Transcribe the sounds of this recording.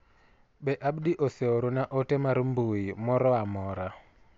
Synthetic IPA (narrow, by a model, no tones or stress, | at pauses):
ɓɛʔaɓɗiʔɔseoɾunaʔɔtɛmaɾmbuimɔɾɔamɔɾa